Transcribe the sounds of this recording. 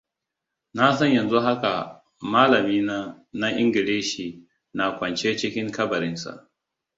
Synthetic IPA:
na˦sɐ˦ɲjɐ˨nzu˦ɦa˦ka˨ | maː˦lɐ˨miː˦na˦ | na˦ʔɪ˦ŋɡʲɪ˨ɽeː˦ʃiː˨ | na˨kʷɐ˨nt͡ʃeː˦t͡ʃɪ˦kʲɪ˦ŋkɐ˦bɐ˨ɾɪ˦nsa̰˨ʔ

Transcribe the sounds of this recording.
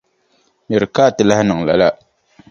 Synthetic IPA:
mɛ˨ɾɨ˨kaː˦˨tɨ˨la˦hnɨ˨ŋla̰˨la˦

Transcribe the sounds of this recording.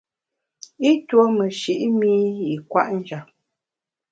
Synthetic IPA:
i˦two˦mə˨ʃi˨ʔmi˦i˨kwa̰˦ʔn̩˦d͡ʒa˨p̚

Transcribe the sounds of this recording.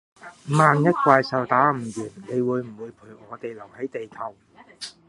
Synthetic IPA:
maː˨njɐ˥t̚kʷaː˧jsɐ˨wt̪aː˨˥m̩ː˨˩jyː˨˩nle˨˧jwuː˨˧jm̩˨˩wuː˨˧jpʰu˨˩jɔː˨˧t̪e˨jlɐ˨˩whɐ˨˥jt̪e˨jkʰɐ˨˩w

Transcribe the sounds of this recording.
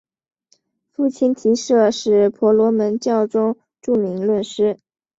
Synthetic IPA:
fu˥˩t͡ɕʰi˥nt̪ʰi˧˥ʂɤ˥˧ʂɻ̩˥˩pʰɔ˧˥lwɔ˧˥mə˧˥nt͡ɕjɑ˥˩ʊʈ͡ʂʊ˥ŋ | ʈ͡ʂu˥˩mi˧˥ŋlwə˥˩nʂɻ̩˥

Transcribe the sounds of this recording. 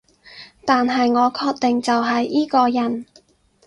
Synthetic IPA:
t̪aː˨nɦɐ˨jŋɔː˨˧kʰɔː˧k̚t̪ɪ˨ŋt͡sɐ˨wɦɐ˨jiː˥kɔː˧jɐ˨˩n

